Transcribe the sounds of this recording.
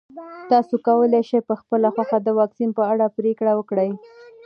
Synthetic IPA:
t̪ɑsokawəleʃejpəxpəlaxwaxad̪əwɑksinpəaɽapɾekɽawəkɽəj

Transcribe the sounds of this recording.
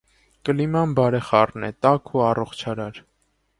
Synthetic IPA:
kəlimɑnbɑɾɛχɑrnɛ̰t̪ɑkʰuɑrɔχt͡ʃʰɑɾɑɾ

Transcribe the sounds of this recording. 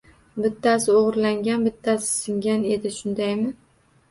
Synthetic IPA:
bɪt̪ʰːasɪoʁɾlaŋɡʲanbɪt̪ʰːasɪ̥sɪŋɡʲane̞d̪ɪʃʊnd̪ajmɪ

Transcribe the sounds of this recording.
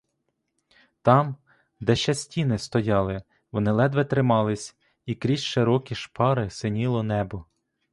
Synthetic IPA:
t̪ɑm | d̪ɛʃt͡ʃɐsʲtʲinɪst̪ɔjɑlˠɪ | ʋɔnɪlˠɛd̪ʋɛt̪ɾɪmɑlˠɪsʲ | ikɾʲit͡ʃʃɪɾɔkʲiʃpɑɾɪsɪnʲilˠɔnɛbɔ

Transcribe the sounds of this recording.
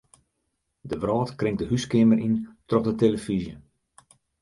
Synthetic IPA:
dəʋrɔːtkrɪŋk̚dəhyskɪməɾʔintrɔχdəteləfizjə

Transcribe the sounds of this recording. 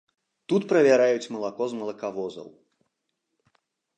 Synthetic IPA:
t̪ut̪pɾɐvʲaɾajut͡sʲmɐlˠakɔzmɐlˠɐkavɔzɐ̰w

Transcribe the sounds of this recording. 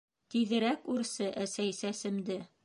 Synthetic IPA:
t̪iðɘ̆ɾækʉɾsɤʔæsæjsæsɘ̆md̪ɘ

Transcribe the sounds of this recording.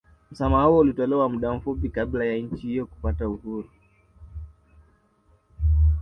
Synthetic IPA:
m̩samahuɔulitɔlɛwamuɗam̩fupikaɓlajaɲ̩t͡ʃihijɔku̥patauhuɾu

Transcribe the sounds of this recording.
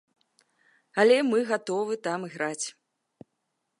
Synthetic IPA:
ɐlʲɛmɨɣat̪ɔvɨt̪amɨɣɾat͡sʲ

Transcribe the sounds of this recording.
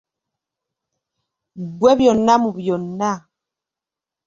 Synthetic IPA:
bwɛbjɔnamubjɔna

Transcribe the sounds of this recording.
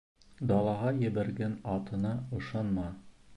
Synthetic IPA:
d̪ɑlˠɑʁɑjɘ̆βæɾɡænɑt̪ɤ̆nɑŏʃɑnmɑ

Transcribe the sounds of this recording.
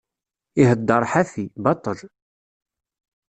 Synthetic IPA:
iɦəd̪ːəɾˤħaθibɑt̪ˤəʒ

